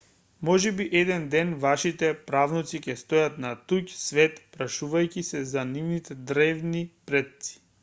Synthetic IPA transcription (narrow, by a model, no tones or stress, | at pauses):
mɔʒɛbiʔɛd̪ɛnd̪ɛnvaʃit̪ɛpɾavnɔt̪sicʲɛst̪ojat̪nat̪ucsvɛt̪pɾaʃuvajcʲisɛzanivnit̪ɛd̪ɾɛvnipɾɛt̪si̥